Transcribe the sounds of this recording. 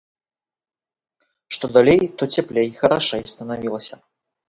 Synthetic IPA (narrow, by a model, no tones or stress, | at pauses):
ʂt̪od̪alʲejt̪otʲeplʲejxɐɾaʂaist̪ɐnɐvʲilˠəsʲɐ